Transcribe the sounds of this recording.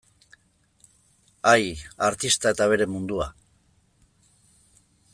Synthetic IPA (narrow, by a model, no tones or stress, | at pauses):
ajaɾt̪ist̪ae̞t̪aβe̞ɾe̞mund̪ua